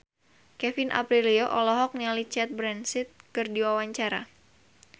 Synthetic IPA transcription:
kɛfinʔa̰pɾilioʔɔlɔɦɔk̚nialit͡ʃɛt̪̚bɾɛnsɪt̪̚kɨrdiwawaɲt͡ʃaɾa̰

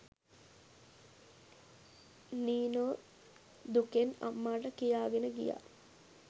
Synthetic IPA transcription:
niːnoː | d̪ukena̰mːaːʈəkijaːɡenəɡḭja̰

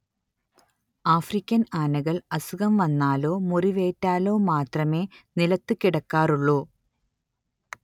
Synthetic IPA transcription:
aːfrikʲːɐnaːnɐɣɐɭɐsuɣɐmʋɐnːaːlo̞ːmuriʋe̞ːtːaːlo̞ːmaːt̪rɐme̞ːnilɐt̪ːɨkiɽɐkːaːruɭːoː

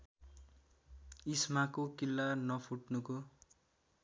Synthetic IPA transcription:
ismakokilːanʌpʰuʈnuko

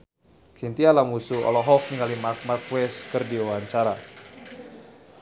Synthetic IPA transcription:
kint̪ialamusuɔ̰lɔɦɔk̚niŋalimark̚markwɛskɨrdiuwaɲt͡ʃaɾa

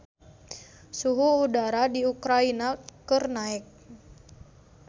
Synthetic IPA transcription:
suɦuːdaɾadiukɾainakərnaɛk̚

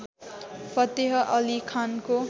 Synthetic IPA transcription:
pʌt̪eɦʌʔʌlikʰanko

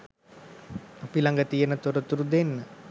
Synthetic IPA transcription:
apilaŋɡət̪ijənət̪uɾət̪uɾud̪enːə

